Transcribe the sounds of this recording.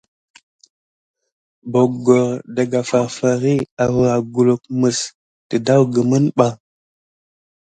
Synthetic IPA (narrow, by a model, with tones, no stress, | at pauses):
bo˨ɡo˨ɾda˨ɡa˨fa˨ɾfa˨ɾi˦a˨və˨a˨ɡu˨lo˨k̚mə˨s | tə˨da˦wɡə˨mə˦nɓa˦